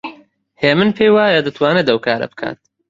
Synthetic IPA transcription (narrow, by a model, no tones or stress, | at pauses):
heːmɨnpʰeːjwaːjɐd̪ɨt̪ʰwaːnɨd̪ɐwkʰaːɾɐ̰bɨ̥kʰa̰ːt̪̚